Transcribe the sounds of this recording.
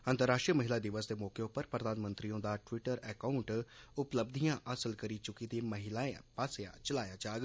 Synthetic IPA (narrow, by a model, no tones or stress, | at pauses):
ə̃nt̪əɾːaːʂʈɾijəməɦɪlad̪ɪʋəs̬d̪emɔːkeʊpəɾpɾəd̪aːnmə̃nt̪ɾiõd̪aːʈʋɪʈəɾɛːkaʊɳʈʊpləb̚d̪ʱijãʔɐsəlkəɾit͡ʃʊkid̪eːmɐɦɪlaːẽpaːseja̰t͡ʃəlaːjad͡ʒaːɡ